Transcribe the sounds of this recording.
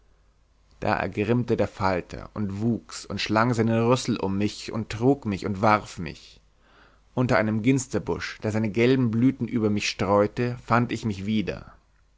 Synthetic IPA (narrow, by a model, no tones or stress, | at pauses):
d̥a̰ːʔɛ̰ɐɡʁɪmtədeːɐfaltʰɐ̰ʔʊntv̥uːksʊntʃlaŋzaɪnənʁʏsl̩ʔʊ̰mːɪçʊ̰ntʁ̥uːkmɪçʊntv̥aʁfmɪ̰ç | ʔʊntɐʔaɪnəmɡɪnstɐbʊʃd̥eːɐzaɪnəɡɛlbm̩blyːtn̩ʔyːbɐmɪçʃtʁ̥ɔʏtəfantɪçmɪçv̥iːdɐ̰